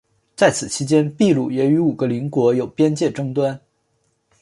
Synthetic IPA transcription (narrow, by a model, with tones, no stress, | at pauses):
t͡sa˥˩ɪt͡sʰɹ̩˨˩t͡ɕʰi˥t͡ɕjɛ˥npi˥˧lu˥˩jɛ˨˧˥y˧˥u˨˩ɡə˧˦li˧˥ŋkwɔ˧˥jo˨˩ʊpjɛ˥nt͡ɕjɛ˥˩ʈ͡ʂɤ˥ŋt̪wa˥n